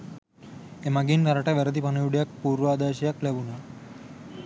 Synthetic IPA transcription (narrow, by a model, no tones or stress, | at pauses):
emaɡint̪aɾaʈaʋɛɾəd̪ipanəjuɽjak̚puɾʋad̪aɕjaklebuna